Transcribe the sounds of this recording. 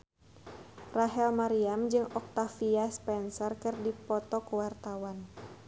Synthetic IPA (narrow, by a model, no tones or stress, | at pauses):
raɦɛlmaɾiamd͡ʒɨŋɔk̚t̪afiaspɛnsɔrkɨrdipɔt̪ɔkuwart̪awan